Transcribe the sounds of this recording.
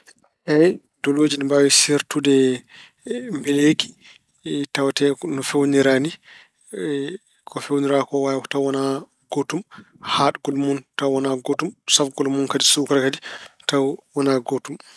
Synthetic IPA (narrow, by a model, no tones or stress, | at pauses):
hɛj | dɔlod͡ʒinmbawisiɾtudɛ | mbɛleki̥ | tawatɛnɔfewniɾani | kʰɔfewniɾakɔwajkɔtawwana | ɡ̥otum | haɗɡɔlmuntawwɔnaɡotumsafɡɔlmunkadisukɾakaditawwɔnaɡotum